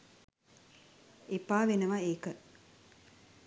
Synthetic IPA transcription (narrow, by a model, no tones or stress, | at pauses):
epaːʋenəʋaeːkə